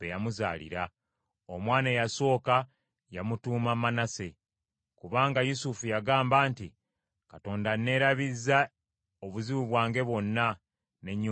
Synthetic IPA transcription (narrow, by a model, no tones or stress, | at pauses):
ejamuza̰ːlḭɾa | omwaːnejaso̞ːka | jamutuːmamanase̞ | kuβaːŋɡajusufujaɡaːmbaːnti | kato̞ːndane̞ːɾaβizːa | oβuziβuβwaːŋɡe̞βo̞nːa | neɲ